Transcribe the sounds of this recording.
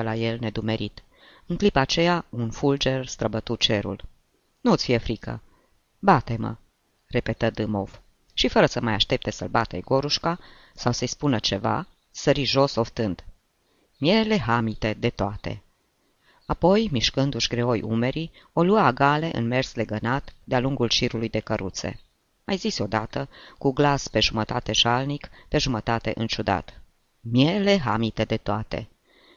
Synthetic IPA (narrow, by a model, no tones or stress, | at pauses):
əlaje̞lne̞d̪ume̞ɾit̪ | ɨŋklipaːt͡ʃe̞jaunfuld͡ʒe̞rst̪ɾəbət̪ut͡ʃe̞ɾṵl | nuɨt̪sʲfijefɾikʰə̰ | bat̪e̞mə̰ | re̞pe̞t̪əd̪ɨmo̞̰v | ʃifəɾəsəmajaʃt̪e̞p̚t̪e̞sə̰lbat̪ḛɡo̞ɾuʃka | sawsəjspunət͡ʃe̞va̰ | səɾiʒo̞so̞ft̪ɨnd̪ | mje̞le̞ɦamit̪e̞d̪e̞t̪oat̪e̞̰ | apo̞jmiʃkɨnd̪uʃɡɾeojʔṵme̞ɾi | o̞luaːɡale̞ʔɨ̰nme̞rsle̞ɡənat̪d̪ealuŋɡulʃiɾulujd̪e̞kəɾʔut̪se̞̰ | majziso̞d̪at̪əkuɡlaspe̞ʒumət̪at̪e̞ʒalnikpe̞ʒumət̪at̪e̞̰ʔɨnt͡ʃud̪a̰t̪ | mjeleɦamit̪e̞d̪e̞t̪oat̪e̞̰